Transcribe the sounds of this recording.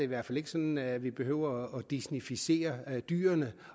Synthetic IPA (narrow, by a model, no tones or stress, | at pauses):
eiʋæɐfæle̝ɡ̥əsɒ̽nnʋib̥e̝ɦøʊ̰ɐ̽ːd̥isnifise̝̰ːɐd̥y̰ːɐnə